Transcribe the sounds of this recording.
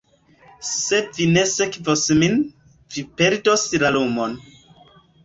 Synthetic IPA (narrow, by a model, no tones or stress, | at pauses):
se̞vine̞sekvosmin | vipe̞ɾdoslalumon